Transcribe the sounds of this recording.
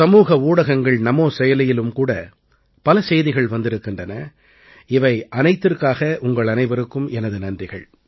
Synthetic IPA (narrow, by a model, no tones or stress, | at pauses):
sɐmuːɣɐuːɽɐɣɐŋɡɐɭnɐmoːsɛjɐlɪjɪlɯmkuːɽɐ | pɐlɐsɛjðɪɣɐɭʋɐnd̪ɪɾɯkːɪndrɐnɐ | ɪʋɐɪʔɐnɐɪt̪ːɪrkaːɣɐʔʊŋɡɐɭɐnɐɪʋɐɾɯkːɯmɛnɐðɯnɐndrɪɣɐ̰ɭ